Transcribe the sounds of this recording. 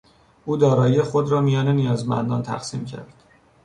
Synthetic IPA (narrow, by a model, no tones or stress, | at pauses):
uːd̪ɒːɾɒːjiexod̪ɾɒːmijɒːnenijɒːzmæ̰nd̪ɒːnt̪ʰæ̰xsiːmcʰæ̰ɾd̪̥